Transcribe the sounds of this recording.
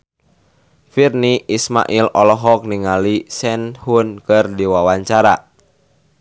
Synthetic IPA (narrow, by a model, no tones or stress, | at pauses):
firniʔisma̰ʔilɔlɔɦɔk̚niŋalisɛnhunkɨrdiwawaɲt͡ʃaɾa